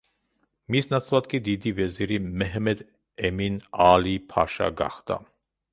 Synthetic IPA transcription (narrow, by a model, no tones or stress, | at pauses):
misnat͡sʰvat̪̚kid̪id̪ivɛzɛɾimɛɦmɛd̪ | ɛminaːlipʰa̰ʃa̰ɡa̰χt̪a̰